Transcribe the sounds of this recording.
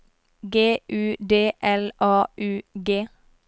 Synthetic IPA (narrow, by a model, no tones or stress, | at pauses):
ɡeːʔʉːd̪eːʔɛlʔɑːʔʉːɡeː